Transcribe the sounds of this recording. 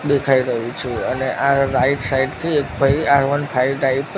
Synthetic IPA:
ɗ̪ekʰajɾəɦũt͡ʃʰeəneʔaɾaiʈsaiʈkʰiek̚bʱəiaɾʋənpʰajɖaip

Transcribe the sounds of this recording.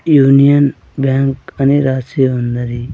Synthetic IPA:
juːnijən | baːŋkɐneɾaːsibɐnd̪əɾi

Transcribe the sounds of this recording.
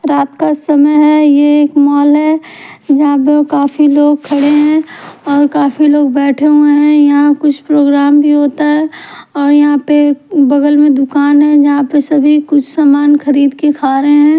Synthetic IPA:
ɾaːt̪kasɐməjɦɛjeeːkmɔːlɦɛd͡ʒɐɦãp̬ekaːfiloːɡ̚kʰɐɽeɦɛ̃ɔːɾkaːfiloːɡ̚bɛːʈʰeɦuẽɦɛ̃jɐɦãkʊt͡ʃʰpɾoːɡɾaːmbʱiɦoːt̪aɦɛɔːɾjɐɦãpebɐɡəlmẽd̪ʊkaːnɦɛ̃d͡ʒɐɦãpesɐbʱikʊt͡ʃʰsaːmaːnxɐɾiːd̪kekʰaːɾeɦɛ̃ː

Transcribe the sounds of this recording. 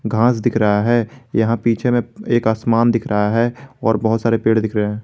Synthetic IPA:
ɡʱãːsd̪ɪkʰɾəɦaɦɛːjɐɦãpiːt͡ʃʰemẽeːkaːsmaːnd̪ɪkʰɾəɦaɦɛɔːɾbɐɦʊt̪saːɾepeːɽd̪ɪkʰɾɐeɦɛ̃ː

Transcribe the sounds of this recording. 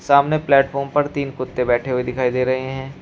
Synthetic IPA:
saːmneplɛːʈfʰɔːɾmpɐɾt̪iːnkʊt̪ːebɛːʈʰeɦuid̪ɪkʰaːid̪eːɾɐɦeɦɛ̃ː

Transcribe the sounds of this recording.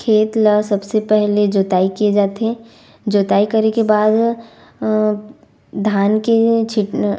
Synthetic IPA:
kʰeːt̪ləsɐbsepɛɦled͡ʒoːt̪aːikied͡ʒaːt̪ɦɛ | d͡ʒoːt̪aːikɐɾekebaːd̪ | d̪ʱaːnket͡ʃʰɪʈ

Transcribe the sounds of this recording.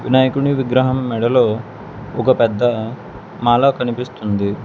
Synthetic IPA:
ʋinaːjɐkuɳiʋiɡɾɐɦɐmːɛɽɐloː | ɔkɐpɛd̪ːɐ | maːlakɐnipist̪und̪i

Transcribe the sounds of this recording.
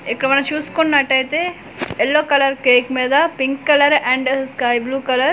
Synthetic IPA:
ikːɐɽɐmɐnɐt͡ʃuːsu̥konːɐʈːɐjt̪eː | elːoːkɐlɐɾkeːkmeːd̪ɐpiŋkːɐlɐɾɛ̃ːɳɖskɐjbluːkɐlɐɾ

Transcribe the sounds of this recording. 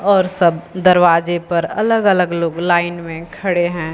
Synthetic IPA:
ɔːɾsɐbd̪ɐɾʋaːd͡ʒepɐɾɐləɡələɡloːɡlaːɪnmẽkʰɐɽeɦɛ̃ː

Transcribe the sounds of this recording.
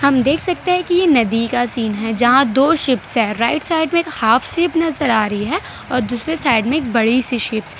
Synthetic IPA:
hɐmd̪eːkʰsɐk̚t̪eɦɛ̃kijenɐd̪ikasiːnɦɛd͡ʒɐɦãd̪oːʃɪpsɦɛɾaːɪʈsaːɪɖmẽeːkhaːfsɪpnɐzəɾaːɾɐɦiɦɛ | ɔːɾd̪uːsɾesaːɪɖmẽeːk̚bɐɽisiʃɪps

